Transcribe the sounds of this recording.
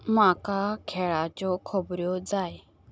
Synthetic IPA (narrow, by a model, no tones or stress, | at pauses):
makakʰɛɭat͡ɕɔkʰɔbɾjɔd͡zaj